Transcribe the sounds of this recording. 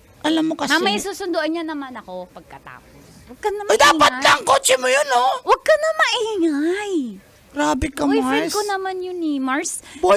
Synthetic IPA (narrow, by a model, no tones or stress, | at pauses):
ʔɐlamːokɐsɐmɐjsuːsʊnd̪oʔɐɲːanɐmanɐko̞pɐɡ̚kɐt̪a̰ːpos | wɐɡ̚kɐnɐmod̪aːpɐt̪̚lɐŋkot͡ʃɛmojonowɐɡ̚kɐnɐmɐʔiŋaj | ɾaːbɪkɐimaɾɛskonɐmanjʊnɪmaɹsbo